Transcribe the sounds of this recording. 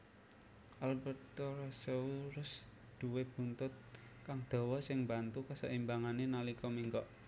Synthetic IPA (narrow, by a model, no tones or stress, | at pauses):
ʔalbɛrt̪ɔraseuɾʊs | d̪̥ṳweb̥ṳnt̪ʊt̪̚ | kaŋd̪̥ɔ̤wɔsɪŋmbant̪ukəsəʔimbaŋanenalikɔmiŋkɔʔ